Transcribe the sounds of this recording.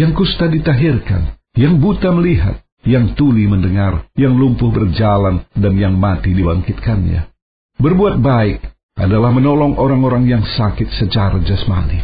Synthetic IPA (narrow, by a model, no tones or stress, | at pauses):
jaŋkust̪adit̪aɦirka̰n | jaŋbut̪aməliɦa̰t̪̚ | jaŋt̪uliməndəŋarjaŋlumpʊhbərd͡ʒalandanjaŋmat̪idibaŋkɪt̪̚kanɲa̰ | bərbuat̪̚baɪk̚ | ʔa̰dalahmənolɔŋʔoɾaŋoɾaŋjaŋsakɪt̪̚sət͡ʃaɾad͡ʒasma̰nḭ